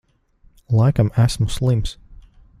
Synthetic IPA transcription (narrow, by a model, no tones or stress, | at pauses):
lˠajkamæsmuslˠims